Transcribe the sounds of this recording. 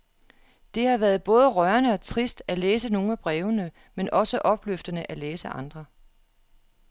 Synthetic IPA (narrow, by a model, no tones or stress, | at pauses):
d̥e̝hɑ̈ʋæːɐð̩ˠb̥ɔ̽ːð̞ˠəʁɶɐnəɒ̽t͡sʰʁisd̥æleːsəno̝ːŋ̩æb̥ʁɛːʊnə | menʔɒ̽səʔɒ̽b̥løfd̥ənəʔæleːsəʔɑ̈nd̥ʁɐ